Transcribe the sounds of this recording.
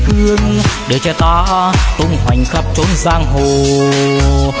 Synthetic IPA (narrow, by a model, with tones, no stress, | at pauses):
xɨ˧əŋɗɨ˨˩t͡ɕɛ˧t̪aː˧t̪u˧ŋɦwa˨˩jŋ̟xə˦˥p̚t͡ɕo˨˦nzaː˧ŋɦo˨˩